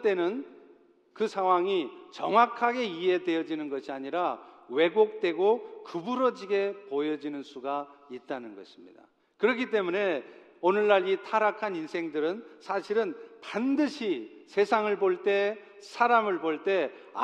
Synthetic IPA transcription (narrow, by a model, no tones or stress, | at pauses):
t͈e̞nɯn | kɯsʰaŋɦwaŋit͡ɕʌŋwakʰaɡe̞ie̞de̞jʌd͡ʑinɯnɡʌɕʰiaɲiɾawe̞ɡok̚t͈we̞ɡokɯbuɾʌd͡ʑiɡe̞pojʌd͡ʑinɯnsʰuɡait̚t͈anɯnɡʌɕʰimɲḭd̥a̰ | kɯɾʌkʰit̬͈e̞mune̞ | onɯɭːaɾitʰaɾakʰaninsʰe̞ŋdɯɾɯnsʰaɕʰiɾɯnpandɯɕʰisʰe̞sʰaŋɯɭboɭt͈e̞sʰaɾamɯɭboɭt͈e̞ | a̰